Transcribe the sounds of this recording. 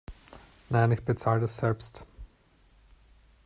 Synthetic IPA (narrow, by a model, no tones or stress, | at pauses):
naɪnɪçb̥ət͡saːlədasz̥ɛlpst